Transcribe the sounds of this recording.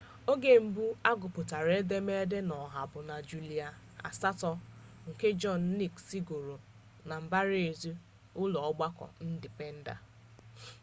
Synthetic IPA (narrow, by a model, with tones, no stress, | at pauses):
o˦ɡe˨m̩˨bu˦a˦ɡʊ˨pʊ˨ta˨ɾe˦de˦me˦de˦nɔ˨ɦa˨bʊ˨na˨d͡ʒu˨li˨a˨ | a̰˨sa˦tɔ˦ | ŋ̩˨ke˦d͡ʒɔ˦˨nː˦i˦ksi˦ɡo˨ɾo˨ | na˨m̩˨ba˦ɾe˨zu˦ | ʊ˦lɔ˨ɔ˦ɡ͡ba˦kɔ̰˨n̩˦dɪ˨pe˦n̩˦da̰˨